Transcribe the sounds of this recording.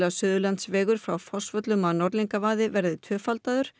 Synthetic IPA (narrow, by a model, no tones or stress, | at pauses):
lasʏːðʏlant̪svɛːɣʏɾ̥fɾawfɔsvœt̪lʏmaðnɔɾliŋkavaːðɪvɛɾðɪt̪ʰœːfalt̪aðʏɾ̥